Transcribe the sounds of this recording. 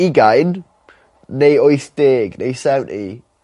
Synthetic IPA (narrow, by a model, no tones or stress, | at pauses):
iɡajnː | ejoɨθd̥eːɡnḛjsɛwnʔḭ